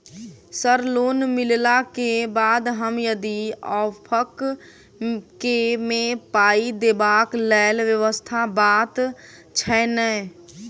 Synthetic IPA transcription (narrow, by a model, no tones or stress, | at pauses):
səɾloːnmɪllakebaːd̪ɦəmjəd̪iɔːpʰək | kːemẽpaːid̪eːbaːklɛːlʋjəʋəst̪ʰabaːt̪ | t͡ʃʰɛnɛ